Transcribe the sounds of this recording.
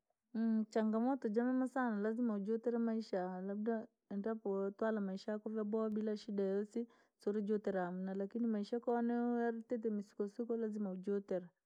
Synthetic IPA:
t͡ʃaŋɡamɔtɔd͡ʒamɛmasanalazimaud͡ʒɔtɛɾamaiʃaalabda | ɛndapɔtwalamaiʃakɔvjabɔabilaʃidajɔsi | sɔɾɛd͡ʒɔtɛɾaam̩nalakinimaiʃakɔnɛɔaɾitɛt̬ɛmisi̥kɔsikɔlazimaud͡ʒɔtɛɾa

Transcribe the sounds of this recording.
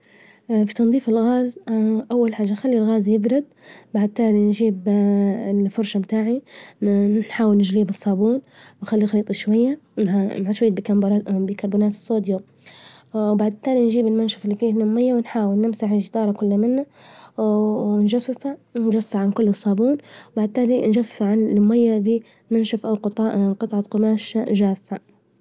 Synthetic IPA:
fit̪ɑnðˤiːfɪlɣaːzʔawːalħaːd͡ʒːanxalːilɣaːzjɪbɾʊd̪̚ | baʕd̪̚t̪aːlinʒiːbɪfʊɾˤʃabt̪aːʕi | ħaːwɪlnɪd͡ʒliːbɨsˤːɑːbuːn | wɪnxalːinxɾiːt̪ˤɑʃwajːanamʕaʃwajːt̪̚bikabbikɑɾˤbuːnaːt̪ɨ̥sːoːd̪jo | wbaʕd̪̚t̪aːlind͡ʒiːbɪlmanʃafɪlːifiːlːʊmːajːawɪnħaːwɪlnɪmsaʕɪʒd̪ɑːɾˤɑkʊlːamɪnːa | ɪnʒafːɪfand͡ʒafːaʕankʊlːɨsˤːɑːbuːnwbaʕd̪̚t̪aːlind͡ʒafːaʕanlʊmːajːadiː | manʃafʔawqːqɨt̪ˤʕɑqʊmaːʃʒaːfːa

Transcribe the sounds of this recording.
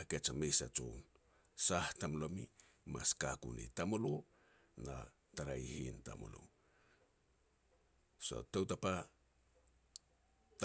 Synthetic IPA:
ket͡ʃamejsa̰t͡ʃo̰wn | sahtamlo̞mḭ | maskakṵnḭtamoloo | na | taɾajhḭnta̰mo̰lo̰ | so̞̰tawtapa | t

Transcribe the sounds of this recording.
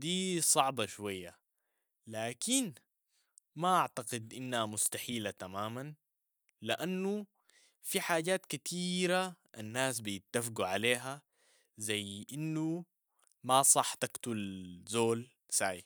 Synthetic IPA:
d̪iːsˤɑʕbɑʃwajːa | laːkin | maʔaʕt̪aqɪd̪ʔinːhamʊst̪aħiːlat̪amaːman | liʔanːu | fiħaːɟaːt̪kat̪ʰiːɾaʔanːaːs̬bijɪt̪ːafɡuʕaleːɦa | zajːʔinːu | masˤɑħt̪akt̪ulzoːl | saʕḭ

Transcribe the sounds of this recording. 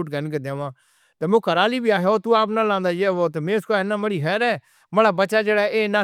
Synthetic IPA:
uʈ̚ɡənɡed̪ãːʋãː | t̪eːmõːkəɾaːliːbiaːɦeoːt̪ũːaːp̬nãːlãːnd̪aːd͡ʒeːoːt̪eːmẽːʊskoaːɦenãːməɽiːɦɛːɾɛː | məɽaːbəːʃaːd͡ʒeːɽaːʔeːnãː

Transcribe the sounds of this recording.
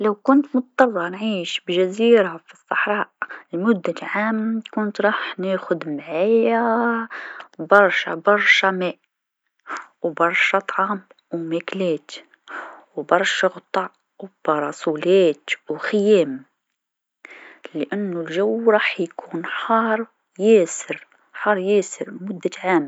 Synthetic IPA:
lawkʊnt̪mʊt̪̚t̪ˤːɑrˤːɑnʕiːʃbʒaziːɾafisˤːɑħɾˤɑːʔlmʊd̪ːalʕaːmkʊnt̪ɾˤɑːħneːxʊd̪mʕaːja | bɑɾˤʃa̰bɑɾˤʃamɛːʔ | wbɑɾˤʃɑt̪ˤʕɑːm | wmæklɛːt̪ | wbɑɾˤʃɑɣt̪ˤɑʕ | wb̥ɑɾˤɑsˤuleːt̪wxɪjɛːm | ləʔanːʊlʒawɾˤɑːħjkʰuːnħɑːɾˤ | jɛːsəɾ | ħɑːɾˤjɛːsɪɾlmʊd̪ːaʕaːm

